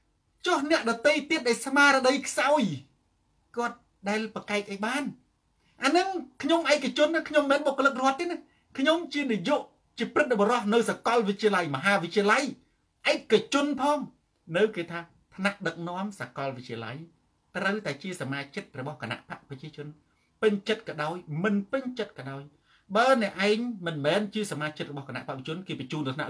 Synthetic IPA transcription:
t͡ɕɔhnɛ̆əʔɗɑt̪əjt̪iət̪̚ɗaɛlsmaːɾɔɗəjkʰsaɔj | kŏət̪̚ | ɗaɛlpakaɛk̚ʔajɓaːn | ʔaːnɨŋkʰɲomʔaɛk̚kːat͡ɕʊ̆ənːakʰɲomːɛːnɓokːoələk̚roət̪ːeːnah | kʰɲomt͡ɕiənijuʔ | t͡ɕiəprɨt̪̚ɓɔɾɑhnɨwsakɑlʋɨc̪̚t͡ɕiəlajmɔɦaːʋɨt̪̚t͡ɕiəlaj | ʔaɛkːat͡ɕʊ̆ənpʰɑːŋ | nɨwkeːt̪ʰaː | t̪ʰnaʔɗək̚nŏəmsakɑlʋɨc̚t͡ɕiəla̰j | t̪rəwt̪aɛt͡ɕiəsamaːt͡ɕət̪̚rɔɓɑhkana̰ʔpaʔprɑt͡ɕiət͡ɕʊ̆ən | pɨɲt͡ɕət̪̚kɑːɗaɔjmɨnpɨɲt͡ɕət̪̚kɑːɗaɔj | ɓaːnɛ̆əʔaɛɲmɨnmɛːnt͡ɕiəsamaːt͡ɕət̪̚rɔɓɑhkana̰ʔpaʔʋiət͡ɕʊ̆ənkeːpɛt͡ɕuːnɨt̪ʰna̰ʔ

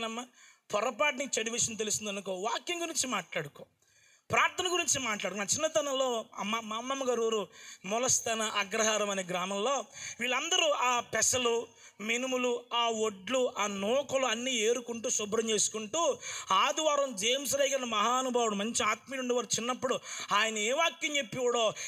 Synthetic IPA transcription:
nɐmːɐpʰɔɾɐpaːʈ̬nit͡ʃɐɽiʋiʂɐnt̪̬elusind̪ɐnukoːʋaːkjɐŋɡuɾiɲt͡ʃimaːʈlaːɽukoː | pɾaːɾt̪ʰɐnɐɡuɾiɲt͡ʃimaːʈlaːɽukːonaːt͡ʃinːɐt̪ɐnɐlo̞ːɐmːɐmamːɐmːɐɡaɾuːɾumɔlɐst̪ɐnɐʔɐɡɾɐɦaːɾɐmɐneːɡɾaːmɐmlo̞ːʋiːɭɐnd̪ɐɾuʔaːpɛsɐlu | minimuluaːoɖluʔaːnɔːkɐluɐnːiːeːɾukuɳʈuːsɔbɾɐmt͡ʃe̞ːsu̥kuɳʈuːaːd̪uʋaːɾɐmd͡ʒeːms̬ɐlɐjɡɐnːɐmɐɦaːnubʱaːwuɽumɐɲt͡ʃiaːt̪̚miːnuɳɖiʋɐɾt͡ʃinːɐpːuɽuaːjɐnɐeːʋaːkjɐɲt͡ʃepːiwɐɽo̞ː

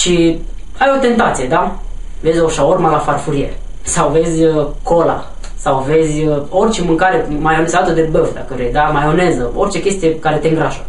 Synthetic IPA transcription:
ʃi | ajo̞t̪e̞nt̪at̪sije̞d̪ave̞zʲoʃaormalafarfuɾier | sawve̞zʲəko̞la̰ | sawve̞zʲəo̞rt͡ʃemɨŋkaɾemajonesat̪əd̪ebəfd̪a̰kəvɾejd̪amajo̞nezəo̞rt͡ʃe̞kʲe̞st̪ije̞kaɾe̞t̪eɨŋɡɾaʒə

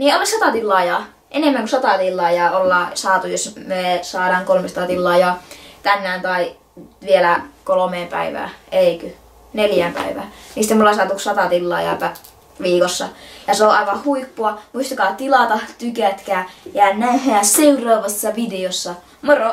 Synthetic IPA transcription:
niːolisɑt̪ɑt̪ilːɑːjɑː | ʔenemːæŋkusɑt̪ɑt̪ilːɑːjɑːolːɑːsɑːt̪ujosmesɑːɾɑːŋkolmesɑ̥t̪ɑt̪ilːɑːjɑːt̪ænːæːnt̪ɑi | ʋielækolomeːmpæ̰iʋæ̰ːeˑikø | neljæːmpæ̰iʋæ̰ːniːsi̥t̪ːmolːˑɑsɑːt̪uksɑt̪ɑt̪ilːɑ̰ːjɑ̰ːpæ | ʋiːkosːɑjɑseoʔɑ̰iʋɑhuipːuɑmuist̪ɑkɑːt̪ilɑt̪ɑt̪ykæt̪kæːjæːnnæhæːseurɑːʋɑsːɑʋideosːɑ | moro

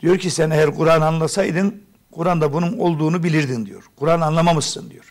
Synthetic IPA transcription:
d̪̥ijo̞ɾcʰisænejæɾɡuɾaːnanlˠasajd̪ɯn | kʰuɾand̪abununo̞lˠd̪uːnubilʲiɾd̪ind̪ijo̰ɾkʰuɾaːnanlˠamamɯsɯnd̪ijoɾ̥

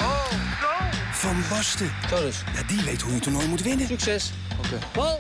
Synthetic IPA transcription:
oo | fɑnbɑstətodəsjadiʋejtɦuətunɔjmutʋɪnəksɛs | oke | ɔ

